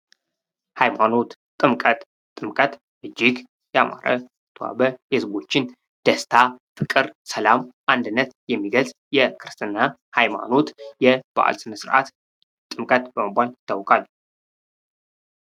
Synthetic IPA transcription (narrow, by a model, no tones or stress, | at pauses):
hajmano̞t̪t̪ʼɨmkʼət̪ʼ | t̪ʼːɨmkʼət̪ʼ | ʔɨd͡ʒːɪɡ | jɛama̰ɾə̰ | t̪ʰwa̰bəhezbo̞t͡ʃːɪn | d̪̥əst̪ʰafɨkʼɨɾsəlamʔand̪ɨnːət̪jɛmːiɡəlzʼ | jɛkʰɨɾɨst̪ʰʼɨnːa | hajma̰no̞t̪jɛb̥a̰ʔa̰lsɨnəsɨɾʔa̰t̪ | t̪ʼɨmkʼət̪bəməbʷaljɪt̪ʰːawkʼal